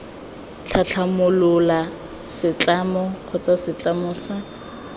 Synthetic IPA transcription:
t͡ɬʰat͡ɬʰamʊlʊla | sɪt͡ɬʼamɔq͡χʰɔt͡sasɪt͡ɬʼamʊːsa

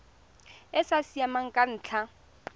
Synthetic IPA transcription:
ɪsasiamaŋ̩kʼan̩ːt͡ɬʰa

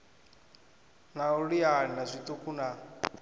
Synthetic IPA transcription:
nauɺianazʷit̪ʼukuna

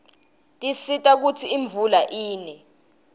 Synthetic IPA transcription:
tʼisitʼak̬ut͡sʰiːɱb̪vulaʔiːnɛ

